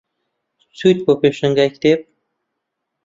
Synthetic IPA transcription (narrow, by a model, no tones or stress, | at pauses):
sujt̪̚bopeʃɪŋɡʲakʲd̪ep̚